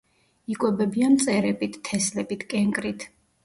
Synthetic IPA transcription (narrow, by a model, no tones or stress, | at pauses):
ikʼwɛbɛbiant̪sʼɛɾɛbit̪ʰːɛslɛbit̪ʰkʼɛŋkʼɾit̪ʰ